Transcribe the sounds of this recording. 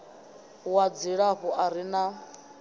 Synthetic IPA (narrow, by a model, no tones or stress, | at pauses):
wad͡ziɺaɦɔʔaɾina